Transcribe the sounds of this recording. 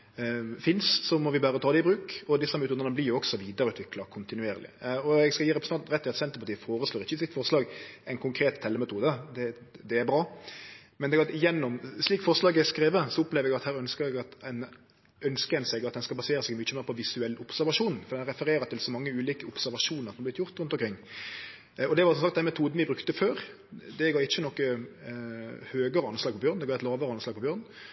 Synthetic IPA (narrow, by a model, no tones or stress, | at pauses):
fɪnssɔmɔʋɪbɑːɾət̪ʰɑːd̪ɛɪbɾʉːkɔd̪ɪsəmɛʉt̪ʰuːd̪nəəblɪɾjʊɔksɔʋiːd̪əɾʉːt̪ʋɪklɑkʰʊnt̪ɪnʉeːɾlɪ̰ɔɛɡskɑjiːɾɛpɾəsn̩ɑnt̪ɾɛt̪ːɪɑt̪sɛnt̪əpɑt̪iːəfoːɾəsloːɾɪçːəɪsɪt̪fɔɾʂlɑːɡɛɪnkʰʊŋkʰɾeːt̪ʰːɛlːəmɛt̪ʰuːd̪əd̪ɛd̪ɛæɾbɾɑː | mɛnɛɡɾɑt̪ɪjɛnːʊmsliːkfɔɾʂlɑːɡɛskɾeːʋəsɔʊplɛːʋɾɛɡɑt̪hæːɾœnskəɾɛɡɑt̪ɛn | œnskəɛnsɛɡɑt̪d̪ɛnskɑlbɑseːɾəsɛɡmyːt͡ʃːəmeːɾpʰɔʋɪsʉɛlːʊpsæɾʋɑʂuːnfɔd̪ɛnæɾʁɛfəɾeːɾət̪ʰɪlsɔmɑŋːəʉːliːkəʊpsæɾʋɑʂuːnəʁsɔmɑb̪ɪt̪jʊʁt̪ɾʉnt̪ɔmkʰɾɪŋː | ɔd̪ɛʋɑɾsɔmsɑkt̪d̪ɛnmɛt̪ʰuːd̪n̩ʋæɪbɾʉkt̪əføːɾ | d̪ɛɡɑːɪçːənɔkːə | høːɡəɾəɑnslɑːɡ̚pʰɔbjøːʁnɛɡɑːɛt̪lɑːʋəɾəɑnslɑːɡpʰɔbjøːʁn